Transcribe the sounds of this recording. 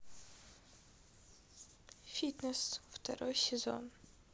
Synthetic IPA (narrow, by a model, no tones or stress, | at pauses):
fʲit̪nɛsft̪ʰɛ̰ɾɔjsʲɛzɔ̰n